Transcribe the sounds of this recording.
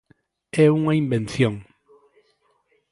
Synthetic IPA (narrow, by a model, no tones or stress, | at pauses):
ɛuŋaĩmbẽnθjõŋ